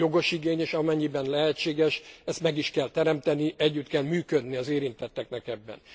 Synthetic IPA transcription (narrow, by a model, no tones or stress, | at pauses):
jo̞ɡo̞ʃiɡeːɲeːʃɒmɛɲːibɛnlɛɦɛt͡ʃːeːɡɛʃɛst̪mɛɡiʃkɛlt̪ɛɾɛmt̪ɛniʔɛɟːyt̪kɛlmyːkød̪niɒzeːɾint̪ɛt̪ːɛknɛkɛbːɛ̰n